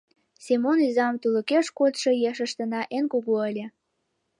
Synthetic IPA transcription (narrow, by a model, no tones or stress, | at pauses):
semonyzɑmt̪ulə̆keʃkot̪ʃɤjeʃə̆ʃt̪ə̆nɑʔenkuɣoəlʲĕ